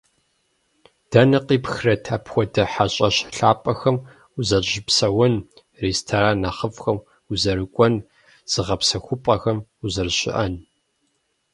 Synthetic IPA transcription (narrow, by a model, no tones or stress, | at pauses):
d̥ɐnɨqiːpxrɐtʰaːpxʷɔdɐħaɕʼɐɕɬaːpʼɐxɐm | uzɐrʑɪpsɐwɐn | reːstʰaɾaːnɐχəfxɐm | uzɐɾɨkʷʼɔn | z̥ɨʁɐpsɐxʷʊpʼɐxɐmuzɐrɕɪ̰ʔɐn